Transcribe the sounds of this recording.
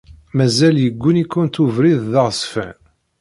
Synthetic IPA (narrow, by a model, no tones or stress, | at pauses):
mæzæljəɡʷːunikːʊnt̪uvɾiððəʁsfæ̰n